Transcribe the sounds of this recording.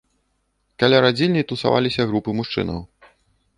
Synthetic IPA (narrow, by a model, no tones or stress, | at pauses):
kalʲaɾad͡zʲilʲnʲit̪usa̰va̰lʲisʲɐɣɾupɨmuʂt͡ʂɨ̰nɐ̰w